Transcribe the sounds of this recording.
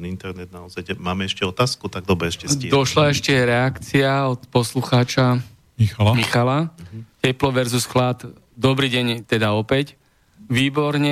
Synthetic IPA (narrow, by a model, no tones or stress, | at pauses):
int̪ɛɾnɛd̪̚naɔzajmaːmɛɛʃcɛɔt̪aːskut̪aɡ̚d̪ɔbɾɛɛʃcɛd̪ɔʃlaɛʃcɛɾɛakt͡siaɔt̪pɔsluxaːt͡ʃa | mixalmixalacɛplɔʋɛɾzusxlat̪ | d̪ɔbɾiːɟɛɲt̪ɛd̪aɔpɛc | ʋiːbɔɾɲɛ